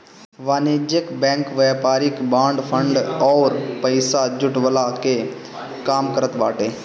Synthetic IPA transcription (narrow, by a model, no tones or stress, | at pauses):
ʋaːneːd͡ʒjəkbɛ̃ːŋkʋɛːpaːɾɪkbãːɳɖpʰə̃ɳɖɔːɾpəɪsad͡ʒʊʈʋəlake | kaːmkəɾət̪baːʈeː